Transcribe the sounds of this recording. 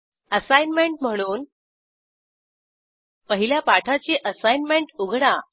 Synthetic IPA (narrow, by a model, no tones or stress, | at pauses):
əsajnmeɳʈm̤əɽ̃uːn | pəɦiljapaʈʰat͡ɕiːʔəsajnmeɳʈuɡʱɽa